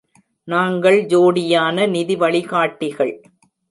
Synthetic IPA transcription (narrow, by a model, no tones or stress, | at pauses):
naːŋɡɐɭd͡ʒoːɽɪjaːnɐnɪðɪʋɐɭɪɣaːʈːɪɣɐɭ